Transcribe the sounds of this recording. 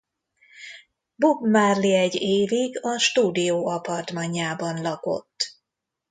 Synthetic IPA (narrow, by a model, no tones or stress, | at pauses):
bobmarliɛɟːeːviɡɒʃt̪uːd̪ijoːɒpɒrt̪mɒɲːaːbɒnlɒko̞̰t̪ː